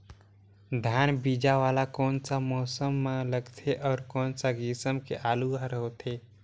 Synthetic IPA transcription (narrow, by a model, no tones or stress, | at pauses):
d̪ʱjaːnbiːd͡ʒaʋaːlakɔːnsamɔːsəmːãləɡt̪ʰeʔɔːɾkɔːnsaɡɪsəmkeʔaːluaɾɦoːt̪ʰeː